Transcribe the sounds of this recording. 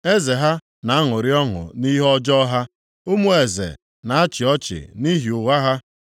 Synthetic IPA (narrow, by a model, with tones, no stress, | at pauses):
e˦ze˨ɦa˦ | na˨a˦ŋʊ˨ɾɪ˦ɔ˦ŋʊ̰˨ni˦ɦɔ˦d͡ʒɔ˦ɦa˦ | o˦mu˦e˨zḛ˨ | na˨a˦t͡ʃɪ˨ɔ˦t͡ʃɪ̰˨ni˦ɦi˨ʊ˨wa˦ɦa˦